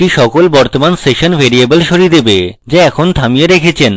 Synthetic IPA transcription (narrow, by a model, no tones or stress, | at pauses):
ʈiʃɔkolbɔɾt̪omanseʃonbʱeɾiebelʃoɾid̪ebed͡ʑeɛkʰont̪ʰamieɾekʰet͡ɕʰen